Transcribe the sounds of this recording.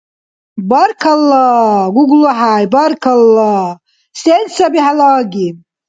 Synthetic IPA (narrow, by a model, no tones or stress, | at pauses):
barkʰalːaɡʷuɡʷluħajbarkʰalːa | sensabiħalaɡʲi